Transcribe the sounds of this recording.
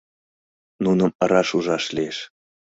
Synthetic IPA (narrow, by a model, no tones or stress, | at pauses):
nunɤ̆mɤ̆ɾɑʃuʒɑʃlʲieʃ